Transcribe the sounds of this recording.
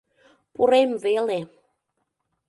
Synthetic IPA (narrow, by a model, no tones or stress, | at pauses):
puɾemvele